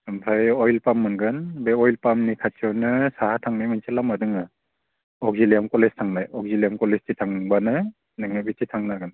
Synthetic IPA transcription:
ɯmpʰajɔjlpamːɯnɡɯnbeɔjlpamnikʰat͡ʃɯwnɯsahatʰaŋnajmɯnsʰelamadɯŋa | ɔɡ̚zilijamkɔlestʰaŋnajɔk̚zilijamkɔlestitʰaŋbanɯ | nɯŋɯbititʰaŋnaɡɯn

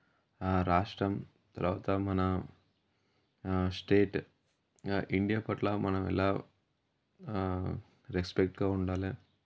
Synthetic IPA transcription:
ɾaːʂʈɾɐm | t̪ɐɾɐʋɐt̪aːmɐːna | sʈeːʈ | ɪɳɖɪjaːpɐʈlaːmʔɐːnɐmɛ̰lːaː | ɾɛspɛk̚ʈkaːʊɳɖaːle

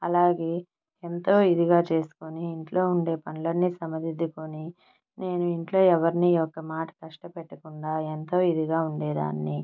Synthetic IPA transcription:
ɐlaːɡe̞ː | ent̪o̞ːid̪iɡaːt͡ʃe̞ːsu̥koniːɳʈlo̞ːuɳɖe̞ːpɐnlɐnːisɐmɐd̪id̪ːukoni | ne̞ːnuiɳʈlo̞ːɛʋɐɾiniɔkːɐmaːʈɐ̥kɐʂʈɐpɛʈːɐkuɳɖaːent̪o̞ːid̪iɡaːuɳɖeːd̪a̰ːnːi

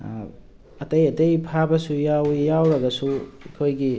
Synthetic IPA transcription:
ɐtɐjɐtejpʰabɐsujawjawɾɐɡɐsuikʰojɡi

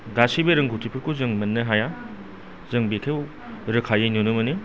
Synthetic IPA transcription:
ɡasibɯɾɯŋɡʱutʰipʰɯɾkʰuzɯŋmɐnːɯɦaja | zɯŋbekʰew | ɾɯkʰajɯnunɯmɯnɯ

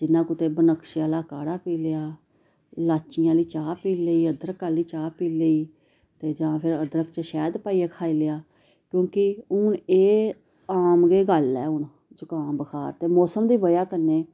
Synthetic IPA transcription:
d͡ʒɪnːãːkʊt̪eːbənəkʃjãːlaːkaːɽaːpiːleaː | laːt͡ʃɪjãːliːt͡ʃaːpiːleiːəd̪ɾəkaːliːt͡ʃaːpiːleiː | t̪eːd͡ʒãːpʰɪɾəd̪ɾəkt͡ʃəʃɛːd̪paːiːaːkʰaːiːlejaː | kjõːkɪʊɳeː | aːmɡeːɡəlːɛːʊɳ | d͡ʒʊkãːmbəkʰaːɾt̪eːmɔːsəmd̪iːbəjaːkəɾneː

